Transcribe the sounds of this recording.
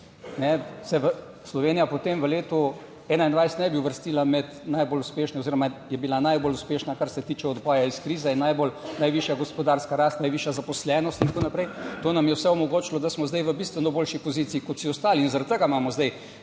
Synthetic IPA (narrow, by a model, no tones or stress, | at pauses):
nɛsɛʋə | slɔʋeːnijapot̪emʋəleːt̪u | ɛːnaind̪ʋajst̪nɛbiuʋəɾst̪iːlamɛt̪najboːluspeːʃnɛoziːɾɔmajɛbilanajboluspeːʃnakaɾsɛt̪iːt͡ʃɛɔd̪bɔːjaiskɾiːzɛinːajbolnajʋiʃjaɡospɔd̪aːɾskaɾast̪najʋiːʃjazapɔslɛːnɔst̪int̪akoːnapɾɛjt̪oːnamjɛwsɛɔmɔɡoːt͡ʃilɔd̪asmɔzd̪ajʋəbist̪ʋɛnɔboːlʃipoziːt̪siːkɔt̪siɔst̪aːliːnzaɾat̪̚t̪əɡamaːmɔzd̪ɛj